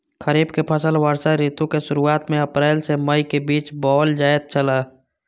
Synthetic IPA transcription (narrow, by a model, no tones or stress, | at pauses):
xəɾiːbkepʰəsəlʋəɾsaɾiːt̪õkeʃʊɾuaːt̪mẽəpɾɛːɪlseməikebiːt͡ʃbɔːld͡ʒaːjet̪̚t͡ʃəlaː